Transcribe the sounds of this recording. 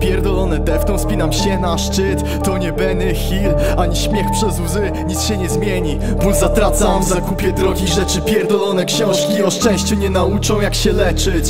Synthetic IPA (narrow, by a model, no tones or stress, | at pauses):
pʲjɛɾd̪ɔlɔnɛd̪ɛft̪ɔ̃w̃spʲinamɕɛnaʂt͡ʂɘt̪ːɔɲɛbɛnɛxʲil | aɲiɕmʲjɛxpʂɛzwzɘ | ɲit̪sɕɛɲɛzmʲjeɲi | buzat̪ɾat̪samzakupʲjɛd̪ɾɔɡʲiʐɛt͡ʂɘpʲjɛɾd̪ɔlɔnɛkɕɔ̃w̃ʂkʲiɔʂt͡ʂɛ̃w̃ɕt͡ɕuɲɛnaut͡ʂɔ̃w̃jakɕɛlɛt͡ʂɘt͡ɕ